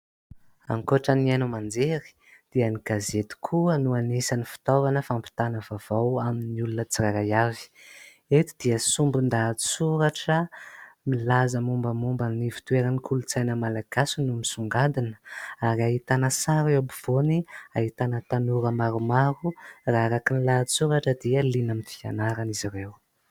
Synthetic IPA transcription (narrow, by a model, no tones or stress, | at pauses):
a̰ŋkoʈ͡ʂaniajnumand͡zeɾi̥ | d̪̥iəniɡ̥azet̪i̥kʰuənuanisanifi̥t̪ovanəfampi̥t̪anəvav̥awaminiulunət͡siɾaɾajavi̥ | et̪i̥d̪̥iəsumbund̪ḁsuɾaʈ͡ʂəmilazəmumbəmumbanivi̥t̪ueɾanikʰulut͡sajnəmalaɡ̥asunumisuŋɡad̪inə̥aɾiaɦit̪anəsaɾeabuv̥oniaɦit̪anət̪anuɾəmaɾumaɾuraaɾakinilat͡suɾaʈ͡ʂəd̪iəlinəmifia̰naɾanizirew